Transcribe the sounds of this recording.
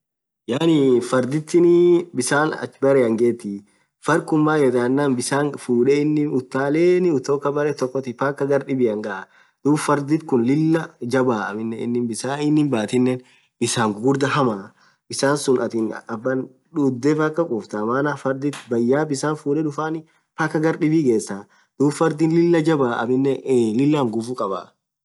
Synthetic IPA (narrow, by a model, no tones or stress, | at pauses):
jaːnɪfɐɾd̪ɪt̪ːɪnɪbɪsaːnɐ̰t͡ʃːbɐɾɛɐŋɡeːt̪ːɪ | fɐɾkʊmːaːjɛd̪aːnːaːnbɪsaːnfuːᶑɛɪnːɪʊt̪ːaːleːnɪʊt̪ːoːkːɐbɐɾɛt̪ɔkːɔt̪ɪpakːɐɡɐɾɗɪbɪɐŋɡɐʔa | d̪̥uːbfɐɾd̪ɪt̪kʊnlɪlːɐd͡ʒɐbaːɐmɪnːɛɪ̰nːɪmbɪsaːɪnːɪmbaːt̪ɪnːɛn | b̥ɪsaːŋɡʊɡʊɾd̪ɐhɐmaː | bɪsaːnsʊnʔɐt̪ɪnɐbːɐn | ᶑud̪ːɛpakːɐkʼʊːft̪ɐmaːnaːfɐɾd̪ɪt̪bɐjːaːbɪsaːnfuːᶑɛᶑʊfaːnɪ | paːkːɐɡɐɾɗɪbiɡe̞ːsːaː | d̪̥uːbfɐɾd̪inlɪlːɐd͡ʒɐbaːʔɐ̰mɪnːɛlɪlːaːŋɡʊfukʼɐba̰ː